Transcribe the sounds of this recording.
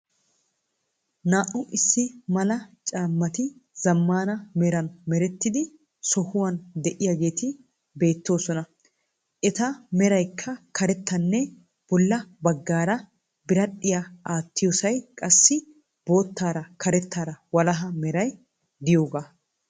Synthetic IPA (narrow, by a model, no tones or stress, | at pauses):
naːʔʊʔɪsːɪmɐlɐt͡ʃʼaːmːɐt̪ɪz̥ɐmːaːnɐmɛɾɐnmɛɾɛt̪ːɪd̪ɪ | sɔhʊwɐnd̪ɛʔɪjaɡe̞ːt̪ɪ | be̞ːt̪ːo̞ːsɔnɐ | ʔɛt̪ɐmɛɾɐjkʰːɐkʰɐɾɛt̪ːɐnːɛ | b̥ɔlːɐbɐɡːaːɾɐ | bɪɾɐᶑɪjɐʔaːt̪ːɪjɔsɐjkʼɐsːɪ | b̥o̞ːt̪ːaːɾɐkʰɐɾɛt̪ːaːɾɐwɐlɐɦɐmɛɾɐj | d̪ɪjo̞ːɡaː